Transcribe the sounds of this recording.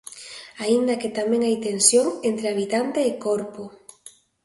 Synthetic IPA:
aind̪ɐkɪt̪amẽŋajt̪ensjoŋent̪ɾeaβ̞it̪ant̪eɪkoɾpʊ

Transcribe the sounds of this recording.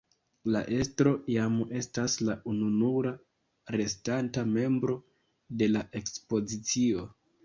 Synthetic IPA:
la̰ʔe̞stɾo̞jame̞staslaununuɾa | ɾe̞stantame̞mbɾo̞ | de̞laʔe̞kspo̞zit͡sio̞

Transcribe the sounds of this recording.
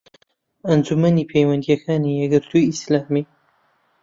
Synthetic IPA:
ɐnd͡ʒumɐniːpʰejwɐnd̪ijɛkʰaːnijɛɡɨɾt̪ʰuislaːmi

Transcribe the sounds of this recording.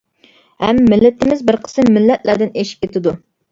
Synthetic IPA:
hɛmːɪlːɪt̪ɪmɪzbɪɾqʰə̥sɨmːɪlːɛt̪læd̪ɪneʃi̥p̚ʲkʲet̪ʰɪd̪u

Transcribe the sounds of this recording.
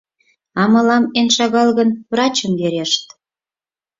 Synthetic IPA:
ɑmɤ̆lɑmenʃɑɣɑlɣənβrɑt͡ɕəmveɾeʃt̪

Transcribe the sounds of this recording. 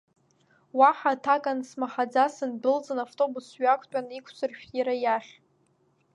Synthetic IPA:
waħatʰakʼansmaχad͡zasɨnbɨld͡zɨnavtʼo̞busɥakʷʰʼtʷʼanikʷʰt͡sʰɨrʃᶣiɾajaχʲ

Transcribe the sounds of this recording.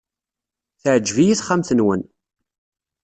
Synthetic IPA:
θəʕd͡ʒːvijiθχamθənwən

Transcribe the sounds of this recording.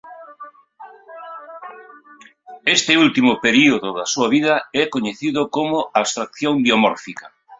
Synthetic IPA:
est̪ɪult̪imʊpeɾioðʊðɐsuaβið̞ɐɛkoɲeθiðʊkomʊaβst̪ɾak̚θjoŋbjomɔɾfikɐ

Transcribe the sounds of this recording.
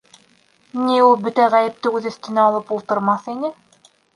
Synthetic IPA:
niulˠbɵt̪æʁæjɘ̆p̚t̪ɘʉðɵ̆θt̪ɘ̆nælˠɤpulˠt̪ɤ̆ɾmɑθinɘ

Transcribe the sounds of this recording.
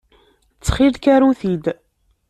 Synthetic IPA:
t͡sːχilkæɾuθid̪

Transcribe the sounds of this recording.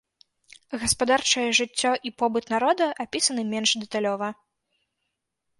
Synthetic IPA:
ɣɐspad̪art͡ʂɐjɛʐɨt͡sʲːɔʔipɔbɨt̪naɾɔd̪ɐʔapʲisɐnɨmʲɛnʂd̪ɛt̪alʲɔvɐ

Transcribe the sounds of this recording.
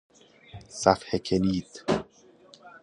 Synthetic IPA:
sæfhekʰeniːd̪

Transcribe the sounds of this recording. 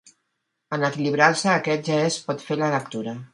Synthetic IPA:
ənəkiliβ̞ɾaɾsəːkɛt̪̚ʒaespɔt̪felələkt̪uɾə

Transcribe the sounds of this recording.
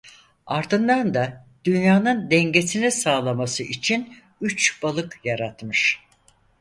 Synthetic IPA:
aɾd̪ɯnd̪and̪ad̪̥ynjaːnɯnd̪ɛɲɟesinisaːlˠamasɯit͡ʃʰin | yt͡ʃb̥alˠɯkjaɾat̪mɯʃ

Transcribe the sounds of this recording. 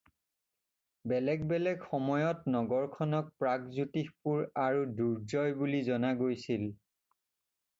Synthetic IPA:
bɛlɛɡbɛlɛɡxɔmɔjɔtnɔɡɔɹkʰɔnɔk̚pɹaɡzutixpuɹaɹuduɹzɔjbulizɔnaɡojsil

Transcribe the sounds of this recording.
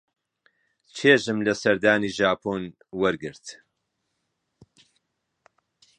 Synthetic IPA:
t͡ʃʰeːʒɨmlɐsɐɾd̪aːniːʒaːpʰoːn | wɐɾɡɨɾt̪

